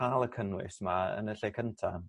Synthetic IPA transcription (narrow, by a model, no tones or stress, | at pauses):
alˠəkʰənwɪ̰smaə̰nəɬejkʰəntʰan